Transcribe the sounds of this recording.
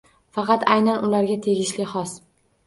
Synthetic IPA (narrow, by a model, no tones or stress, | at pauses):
fɑqʰɑt̪ajnanʔʊlaɾɡʲat̪ʰe̞ɡʲɪʃlɪχɒs